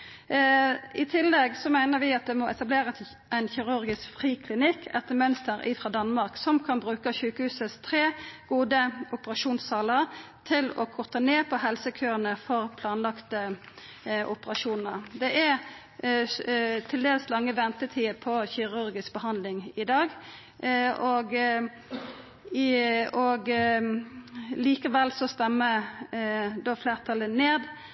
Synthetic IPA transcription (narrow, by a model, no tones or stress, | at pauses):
ɪt̪ʰɪlːɛɡsɔmæɪnəʁʋɪɑt̪̚d̪ɛmɔʔɛt̪ɑbleːʁə | ʔæɪnçɪʁʉɾɡɪskfʁiːkʰlɪnɪkʰːɛt̪ːəmœnst̪əɾɪ̰fʁɑːd̪ɑnmɑʁksɔmkʰɑnbʁʉːkəçʉːkəhʉːsəst̪ʰɾeːɡ̥uːd̪əʊpəʁɑʃuːnssɑːləʁt̪ʰɪlɔkʰɔʁt̪əneːpʰɔɦɛlsəkʰøːʁənəfɔʁpʰlɑːnlɑkt̪ə | ʔʊpəʁɑʃuːnn̩ə̰ʁd̪ɛʔæ | t̪ʰɪld̪eːlslɑŋːəʋɛnt̪ət̪ʰiːəpʰɔçɪʁʉɾɡɪskbəhɑnd̪lɪŋɪd̪ɑːɡ | ɔɡ | ɔɡ | liːkəʋɛlsɔst̪ɛmːə | d̪oːfleːʁt̪ʰɑləneːd̪